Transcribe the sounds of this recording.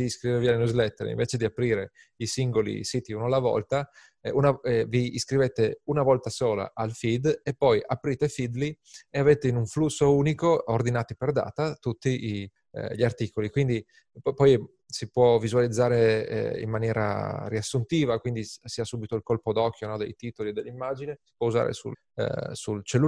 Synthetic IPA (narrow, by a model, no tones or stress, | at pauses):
iskɾivevialnuzlɛt̪ːḛɾḭɱveːt͡ʃed̪iapɾiːɾe | isiŋɡolḭsiːt̪iunalːavɔ̰lt̪a | unaviːskɾiveːt̪eunavɔlt̪asoːla̰ʔalfid̪epːɔjʔapɾiːt̪efid̪li | eaveːt̪einuɱflusːouːnikoord̪inaːt̪iperd̪a̰ːt̪at̪ut̪ːii | ʎart̪iːkolikwind̪i | pɔj | sipwɔvizualid̪zːaːɾḛḭmːanjɛːɾa̰ɾiasːunt̪iːvakwind̪isiːasuːbit̪oilkolpod̪ɔk̟ːjonɔd̪ḛjt̪iːt̪olied̪ḛlːimːad͡ʒinesi̥pwɔuza̰ɾḛsṵ | sult͡ʃelːu